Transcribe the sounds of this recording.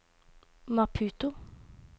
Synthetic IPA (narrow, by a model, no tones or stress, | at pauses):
mɑpʰʉːt̪ʊ